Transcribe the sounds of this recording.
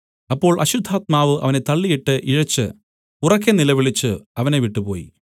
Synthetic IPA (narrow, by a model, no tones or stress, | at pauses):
ɐpːo̞ːɭʔɐɕud̪ʱːaːt̪̚maːʋɨʔɐ̰ʋɐne̞t̪ɐɭːijiʈːɨʔiɻɐt͡ɕːɨ̰ | urɐk̬ːenilɐʋiɭit͡ɕːɨɐʋɐne̞ʋiʈːɨpo̞̰ːjḭ